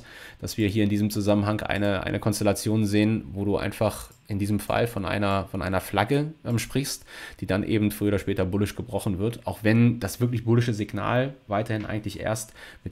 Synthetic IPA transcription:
d̥asv̥iːɐɦiːɐɪndiːzəmt͡suzamənɦaŋʔa̰ɪnəʔa̰ɪnəkʰɔnstɛlat͡sjoːnzeːənvoːduːʔa̰ɪnfaχ | ʔɪndiːzəmfa̰lfɔnʔa̰ɪnɐfɔnʔa̰ɪnɐflaɡəmʃpʁ̥ɪçstd̥iːdanʔḛːbm̩tfʁ̥yːoːɾɐʃpɛːtɐbʊlɪʃɡ̥əbʁɔχn̩vɪɐtʔaʊxv̥ɛnd̥asv̥ɪɐklɪçb̥ʊlɪʃəzɪɡna̰ːlvaɪtɐhɪnʔa̰ɪɡŋ̩tlɪçʔḛːɐstmɪt

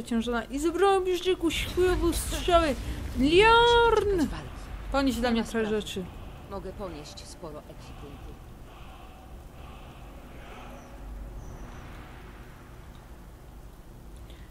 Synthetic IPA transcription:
t͡ɕɛ̃w̃ʐɔnaʔizbɾɔbʲʐnɘkuɕkwevust̪ʂʂɔwɘlʲjɔɾn | pɔɲeʑd̪lamɲɛt̪ɾɛʐɛt͡ʂɘmɔɡɛpɔɲeɕt͡ɕspɔɾɔʔɛkʲipunt̪u

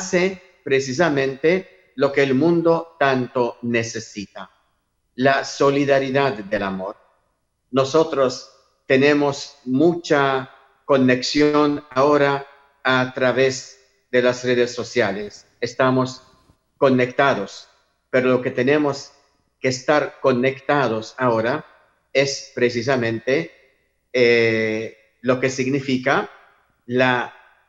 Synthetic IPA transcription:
ase | pɾes̬is̬amẽnt̪e | lo̞keːlmũnd̪o̞t̪ant̪onese̞sit̪a | laso̞liðaɾiðad̪ðelamoɾ | noso̞t̪ɾos | t̪enemosmut͡ʃa | ko̞neksjo̞naoɾaː | t̪ɾaβez | d̪e̞lasreð̞esːo̞sjales | est̪amo̞s | ko̞nekt̪aðos | peɾolo̞ke̞t̪e̞ne̞mo̞s | ke̞ːst̪aɾko̞ne̞kt̪að̞o̞sao̞ɾa | e̞spɾes̬is̬amẽ̞nt̪e | e | lo̞ke̞siɡnifika | la

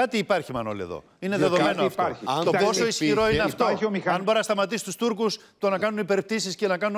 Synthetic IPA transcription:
ɐt̪iːpɐɾçimɐno̰liḛðo̰ | ineðeðomenoɐftɾt̪opo̞so̞isçiɾo̞ineɐft̪oomiɐnboɾinɐst̪ɐmɐt̪̬isi̥t̪ust̪uɾkus | t̪o̞nɐkɐnunipe̞ɾep̚t̪isisce̞nɐkɐnu

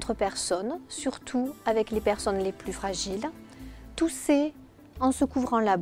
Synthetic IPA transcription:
t̪χəpɛʁsɔnsyʁt̪ʰuavɛklepɛʁsɔnleplyfχaʒilt̪usɛ | ɑ̃səkuvʁɑ̃lab

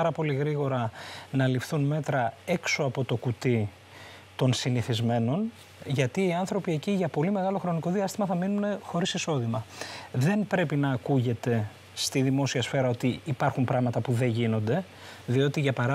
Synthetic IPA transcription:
ɐɾɐpo̞liɣɾiɣo̞ɾɐnɐlifθunme̞t̪ɾɐe̞kso̞ɐpo̞t̪o̞kut̪i | t̪o̞nsiniθizme̞no̞n | ʝɐt̪iːɐnθɾo̞pie̞ciʝɐpo̞lime̞ɣɐlo̞xɾo̞niko̞ðiɐst̪imɐθɐminune̞xo̞ɾisiso̞ðimɐðe̞npɾe̞pinɐːkuʝe̞t̪e̞ | st̪iðimo̞siɐsfe̞ɾɐo̞t̪iːpɐɾxumpɾɐɣmɐt̪ɐpuðe̞ʝino̞nd̪e̞ | ðio̞t̪iʝɐpɐɾɐ

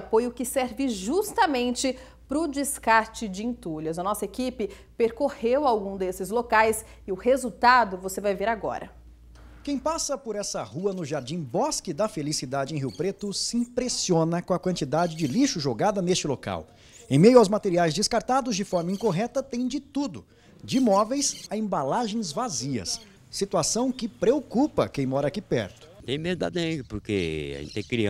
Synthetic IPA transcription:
apojʊkɪsɛɾvɪʒust̪ɐmẽnt͡ʃɪ | pɾʊd͡ʒɪskaɾt͡ʃɪd͡ʒɪĩnt̪uljɐzɐnɔsɐekipɪ | peɾkohewawɡũd̪esɪzlokajs | ɪʊhezuwt̪ad̪ʊvosevajveɾaɡɔ̰ɾɐ̰ | kẽj̃pasɐpoɾɛsɐhuɐnʊʒaɾd͡ʒĩw̃bɔskɪd̪ɐfelisid̪ad͡ʒɪẽj̃ɦiwpɾet̪ʊsɪĩpɾesiõnɐkõɐkwɐ̃nt͡ʃid̪ad͡ʒɪd͡ʒɪliʃʊʒoɡad̪ɐnest͡ʃɪloka̰w | ẽj̃mejʊawzmat̪eɾiajzd͡ʒɪskaɾt̪ad̪ʊzd͡ʒɪfɔɾmɐĩkoɦɛt̪ɐt̪ẽj̃d͡ʒɪt̪ud̪ʊ | d͡ʒɪmɔvejsɐẽbalaʒẽj̃zvaziɐ̰sː | it̪uasɐ̃w̃kɪpɾeokupɐ̰kẽj̃mɔɾɐakipɛ̰ɾt̪ʊ̥t̪ẽj̃meɾd̪a̰d̪ẽpoɾkḛḛ̃t̪ẽkɾĩ

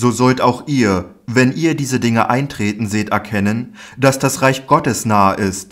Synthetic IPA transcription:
zoːzɔltaʊxʔiːɐ | vɛnʔiːɐdiːzədɪŋəʔaɪntʁ̥eːtn̩zeːtɛɐkʰɛnən | d̥asd̥asʁaɪçɡ̥ɔtəsnaːəʔɪst

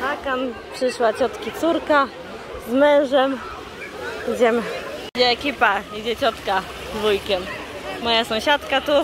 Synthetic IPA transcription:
akampʂɘʂwat͡ɕɔt̪kʲit̪suɾka | zmɛ̃w̃ʐɛm | id͡ʑɛmid͡ʑɛɛkʲipaid͡ʑɛt͡ɕɔt̪ka | d̪vujkʲɛmː | ɔjasɔ̃w̃ɕat̪kat̪u

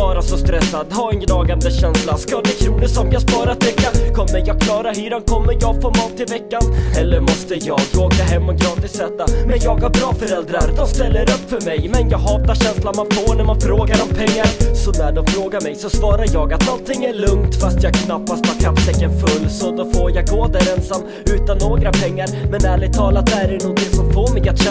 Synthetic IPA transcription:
ɑːɾasɔst̪ɾɛsːad̪hɑːɛnɡnɑːɡand̪əɕɛnslaskad̪ɛkʰɾuːnəsɔmjɑːspɑːɾat̪ʰːʏkːakʰɔmːəɾjɑːɡ̚kʰlɑːɾaɾhyːɾankʰɔmːəɾjɑɡfoːmɑːt̪ːɪlvɛkːanɛlːəɾmɔst̪əjɑːɡoːkaɦɛmːɔɡɾɑːt̪ɪsɛːt̪ːamɛnjɑːɡæɾbɾɑːfœɾɛld̪ɾaɾd̪ɔmst̪ɛlːəɾɵpːfœɾmɛjmɛnjɑːɡɦɑːt̪aɕɛnslanmanfoːɳæɾmanfɾoːɡaɾɔmpʰɛŋːaɾsɔnæɖɔmfɾoːɡaɾmɛjsɔsvɑːɾaɾjɑːɡat̪nɔnt̪ʰɪŋːæɭɵŋt̪fast̪jɑːɡ̚kʰnapːast̪̚ɑkʰapːsɛkːənfɵlːsɔd̪ɔfoːɾjɑɡɡoːd̪æɾɛnsamː | ʉ̟ːt̪anːoːɡɾapʰɛŋːaɾmɛnæːlɪt̪ʰɑːlat̪̚d̪ɛæɾɛnɔnt̪ɪŋsɔmfoːmɛjat̪ɕ

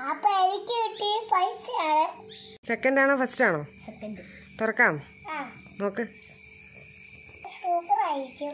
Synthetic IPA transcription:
apːeeɾikʲːɨʋiʈːipɐjt͡ɕːɨjaːɳɨsekːɐndaːɳɨfɐstaːɳoːsekːɐnɖɨ | t̪urɐkːaːm | aː | oːkːe | ʈuːkɐraːjiɾikʲːu

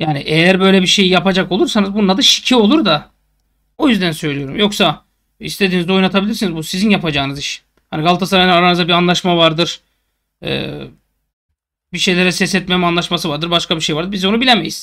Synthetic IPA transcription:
jaːniʔejæɾbø̞jlʲɛbiʃe̞jijapad͡ʒakolˠuɾsanɯzbunːad̪ɯʃi̥cʰio̞lˠuɾd̪a | o̞jyzd̪ænsø̞jlʲijo̞ɾumjo̞ksa | ḭst̪ʰeinizo̞jnat̪ʰabilʲiɾsinizbusizinjapad͡ʒaːnɯzɯʃ | haniɡalˠt̪ʰasaɾajnanaɾanɯzabianlˠaʃmavaɾd̪ɯɾ̥ | ɛ̰ː | biʃe̞jlʲeɾɛsɛsɛt̪memanlˠaʃmasɯvaɾd̪ɯɾbaʃkabiʃejvaɾd̪ɯɾbizonubilʲeme̞jiz̥

